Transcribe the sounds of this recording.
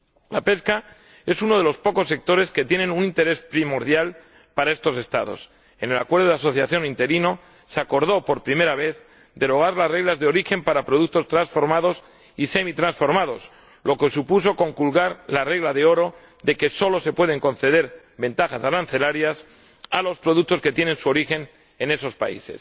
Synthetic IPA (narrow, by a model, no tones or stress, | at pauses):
lape̞ska | e̞suno̞ð̞e̞lo̞spo̞ko̞sːe̞k̚t̪o̞ɾe̞ske̞t̪je̞nenunint̪e̞ɾe̞spɾimo̞ɾðjal | paɾae̞st̪o̞se̞st̪a̰ðo̞̰s | e̞ne̞la̰kwe̞ɾðoðeaso̞θjaθjo̞nint̪e̞ɾino̞ | seako̞ɾð̞o̞po̞ɾpɾime̞ɾaβ̞e̞θ | d̪e̞ɾo̞ɣ̞aɾlasre̞ɣ̞lazðeo̞ɾixe̞mpaɾapɾo̞ð̞uk̚t̪o̞st̪ɾansfo̞ɾmað̞o̞s | ise̞mit̪ɾansfo̞ɾmað̞o̞s | lo̞ke̞supus̬o̞ko̞ŋkulɣaɾlare̞ɣlaðe̞o̞ɾo̞ | ðe̞ke̞so̞lo̞se̞pwe̞ð̞e̞ŋkõ̞nθe̞ð̞e̞ɾ | be̞nt̪axasalanθe̞laɾjas | alo̞spɾo̞ðuk̚t̪o̞ske̞t̪je̞ne̞nsuo̞ɾixe̞n | e̞ne̞so̞spa̰ḭse̞̰s